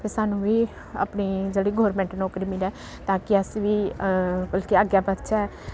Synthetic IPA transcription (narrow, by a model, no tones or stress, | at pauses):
pʰeːsaːnũːʋiː | a̰ːpɳiːd͡ʒeːɽiːɡoːɾmɛ̃ːɳʈnoːkəɾiːmɪlɛː | t̪ãːkɪəsʋiːbəlkiəɡjaːbət̪t͡ʃaɛː